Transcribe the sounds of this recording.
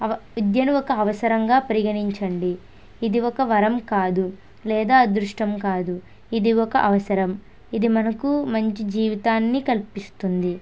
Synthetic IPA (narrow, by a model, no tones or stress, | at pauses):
ɐud̪jɐnuɔkɐːʋɐsɐɾɐŋɡaːpɐɾiɡɐɳiɲt͡ʃɐɳɖiː | d̪iɔkɐʋɐɾɐmkaːd̪u | lɛːd̪aːd̪ɾuʂʈɐmkaːd̪u | id̪iɔkɐʔɐʋɐsɐɾɐm | id̪imɐnɐkumɐɲt͡ʃid͡ʒiːʋit̪aːnːikɐlpist̪und̪i